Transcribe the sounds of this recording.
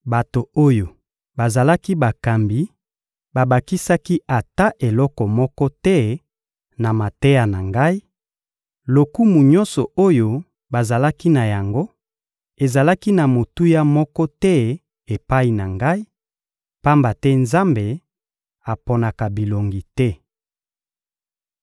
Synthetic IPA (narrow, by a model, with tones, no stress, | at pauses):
ba˨to˨o˦jo˨ | ba˨za˨la˦ki˦ba˨ka˨mbi˨ | ba˨ba˨ki˦sa˦ki˦a˨ta˦ʔe˨lɔ˦kɔ˨mɔ˦kɔ˦tɛ˦ | na˨ma˨te˦ja˨na˨ŋɡa˦i˦ | lo˨ku˦mu˨ɲɔ̃˦nsɔ˨o˦jo˨ | ba˨za˨la˦ki˦na˨ja˨ŋɡo˦ | e˨za˨la˦ki˦na˨mo˨tu˦ja˦mɔ˦kɔ˦tɛ˦ | e˨pa˦i˨na˨ŋɡa˦i˦ | pa˦mba˨tɛ˦nza˦mbe˨ | a˨pɔ˦na˨ka˨bi˨lo˨ŋɡi˨tɛ˦